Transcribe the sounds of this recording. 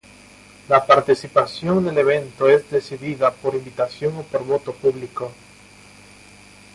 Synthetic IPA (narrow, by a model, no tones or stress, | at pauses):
lapaɾt̪isipasjo̞ŋd̪eleβ̞ẽ̞nt̪oezd̪esiðiðapoɾimbit̪asjo̞ŋopoɾβo̞t̪opuβliko